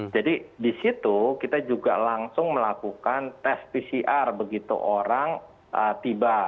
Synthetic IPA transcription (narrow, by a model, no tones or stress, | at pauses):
d͡ʒadidisit̪ukit̪ad͡ʒuɡa̰laŋsʊŋməlakukant̪ɛspisiʔarbəɡit̪ṵʔoɾaŋ | ʔət̪iba